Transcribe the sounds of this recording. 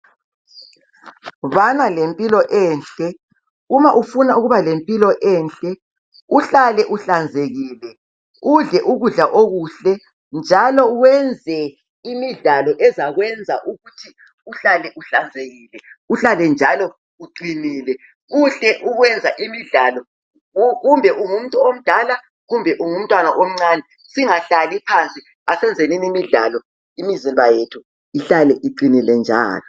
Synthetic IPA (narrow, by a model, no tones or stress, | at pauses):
βanalempʼilɔʔɛːnɬʼɛ | umaʔufunauɣuβalempʼilɔʔɛːnɬʼɛ | uɬalɛʔuɬand͡zʱeɣiːlɛ | uɮɛʔuɣuɮaʔoɣuɬɛ | nd͡ʒʱalɔwɛnd͡zʱɛ | imiɮalɔʔɛzaɣwɛnd͡zʱaʔuɣutʰi | uɬalɛʔuɬand͡zʱeɣiːlɛuɬalɛnd͡ʒʱalɔ | uǃiniːlɛ | ɣuɬɛʔuɣwɛnd͡zʱaʔimiɮalɔ | ɣumbʱɛʔuŋum̩tʼuom̩d̥ʱala | ɣumbʱɛʔuŋum̩tʼwanaʔom̩ŋ͡ǀanɛ | siŋaɬalipʰant͡sʼi | asɛnd͡zʱeninimiɮa̰lɔ | imizimbʱajetʰu | iɬalɛʔiǃinilɛnd͡ʒʱa̰ːlɔ